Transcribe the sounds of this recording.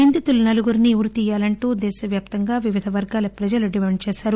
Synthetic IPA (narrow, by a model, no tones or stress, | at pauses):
ind̪it̪ulunɐluɡuɾiniuɾut̪iːjaːlɐɳʈuːd̪ɛːʃɐʋjaːp̚t̪ɐŋɡaːʋiʋid̪ʱɐʋɐɾɡaːlɐpɾɐd͡ʒɐluɖimɛːɳt͡ʃɛːʃaːɾu